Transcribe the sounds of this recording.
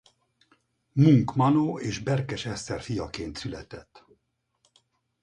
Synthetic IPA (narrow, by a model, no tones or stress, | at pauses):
muŋkmɒnoːeːʒbɛrkɛʃɛst̪ɛrfijɒkeːnt̪sylɛ̰t̪ɛt̪ː